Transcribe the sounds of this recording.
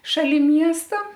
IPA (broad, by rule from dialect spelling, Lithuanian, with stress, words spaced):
ʃɐˈlʲɪ ˈmʲiɛstɐ